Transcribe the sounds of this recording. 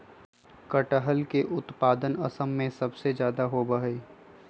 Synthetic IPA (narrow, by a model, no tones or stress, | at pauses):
kəʈəɦəlkeʔʊt̪paːd̪ənəsəmːẽsɐbsed͡ʒjaːd̪aɦobəɦe